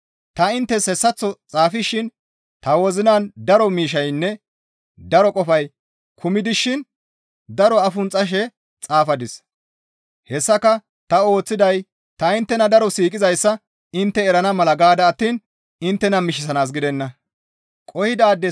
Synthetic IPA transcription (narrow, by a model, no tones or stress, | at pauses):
t̪ɐɪnt̪ːɛshɛsːɐt͡sːɔt͡sʼaːfɪʃːɪn | t̪ɐwɔzɪnaːnd̪ɐɾɔmiːʃɐjnːɛ | d̪ɐɾɔkʼɔfɐj | kʰʊmɪd̪ɪʃːɪn | d̪ɐɾɔɐfʊnt͡sʼɐʃ̬ɛ | t͡sʼaːfɐd̪ɪs | hɛsːɐkɐ | t̪ɐo̞ːt͡sːɪd̪ɐj | t̪ɐɪnt̪ːɛnɐd̪ɐɾɔsiːkʼɪzɐjsːɐ | ɪnt̪ːɛɛɾɐnɐmɐlɐɡaːd̪ɐːt̪ːiːn | ɪnt̪ːɛnɐmɪʃ̬ɪsɐnaːs̬ɡɪd̪ɛnːɐ | kʼɔhɪd̪aːd̪ːɛ